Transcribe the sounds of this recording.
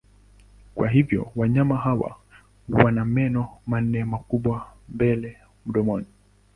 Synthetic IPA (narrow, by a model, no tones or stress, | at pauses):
kwaɦivjɔ̰waɲamaɦawa̰ | wanamɛnɔman̩ɛmakuɓwambɛlɛ | m̩ɗɔmɔni